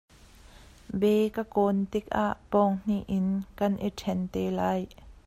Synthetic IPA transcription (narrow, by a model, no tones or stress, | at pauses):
bɛːkakoːnt̪ik̚ʔa̰ːʔpɔːŋn̥iʔɪnkɐnʔitʰɛnt̪ɛːlaːj